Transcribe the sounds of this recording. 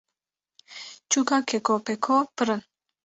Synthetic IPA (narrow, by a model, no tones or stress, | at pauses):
t͡ʃukakekopekʰopəɾən